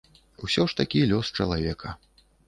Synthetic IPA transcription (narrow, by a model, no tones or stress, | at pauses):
wsʲɔʂt̪akʲilʲɔst͡ʂɐlˠavʲɛkʰɐ